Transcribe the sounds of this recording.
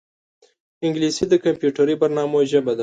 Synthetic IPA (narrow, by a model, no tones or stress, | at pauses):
ɪŋɡlisid̪əkampjuʈaɾibaɾnɑmoʒəbad̪a